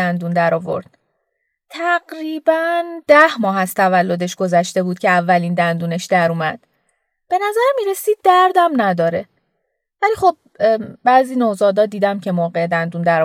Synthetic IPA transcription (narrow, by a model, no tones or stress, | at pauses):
ænd̪uːnd̪æɾɒːvo̞̰ɾd̪̥̚ | t̪ʰæɡɾiːbænd̪̥æhmɒːɦæst̪ʰævælːo̞d̪e̞ʃɡ̥o̞zæʃt̪e̞buːd̪̥̚cʰe̞ævːæliːnd̪ænd̪uːne̞ʃd̪æɾuːmæd̪̥ | b̥e̞næzæɾmiːɾe̞siːd̪̚ːæɾd̪æmnæd̪ɒːɾe̞ | væliːχo̞b̚bæʔziːnozɒːd̪ɒːd̪iːd̪æmcʰe̞moːɢe̞ed̪ænd̪und̪æɾɒ